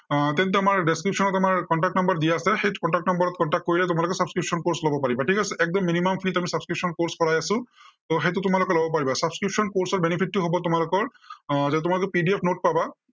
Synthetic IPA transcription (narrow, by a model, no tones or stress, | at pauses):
t̪ɛ̃nt̪̬ɛamaɹɖeskɹipʃɔnɔtamaɹkɔɳʈak̚ʈnɔmbɔɹd̪ijaːsɛxejtukɔɳʈakʈnɔmbɔɹɔt̪̚kɔɳʈak̚t̚koɹilɛtʊmalokɛsabskɹipsɔnkoɹslɔbɔpaɹibaʈʰikasɛɛk̚d̪ɔmːinimampʰitamisabskɹipsɔnkoɹskɔɹajasʊ̃t̪oxejt̬ʊtʊmalʊkɛlɔbɔp̬aɹibasabskɹipsɔnkoɹsɔɹbenipʰitːʊɦobɔtʊmalʊkɔɹ | zaɛt̬ʊmalokɛpiɖiepʰnot̚paba